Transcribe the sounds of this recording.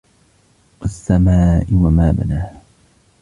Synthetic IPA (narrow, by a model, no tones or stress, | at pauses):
wasːamaːʔɪwamaːma̰naː